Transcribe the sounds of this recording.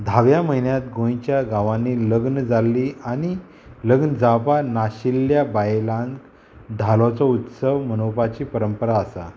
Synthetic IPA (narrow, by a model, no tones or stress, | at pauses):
d̪ʱaʋjaməɦinjat̪ɡõj̃t͡ɕjaɡãʋãniləɡnəd͡zalːiañi | ləɡnəd͡zapanaɕiljabajelãŋk | d̪ʱalot͡sɔut̪səʋmənowpat͡ɕiːpəɾəmpəɾaəsa̰